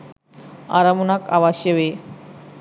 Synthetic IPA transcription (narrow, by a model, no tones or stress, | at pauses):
a̰ɾamunaka̰ʋaɕeʋe